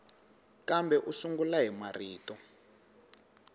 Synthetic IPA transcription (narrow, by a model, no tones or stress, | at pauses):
kambɛʔusuŋɡulaɦimariːtɔ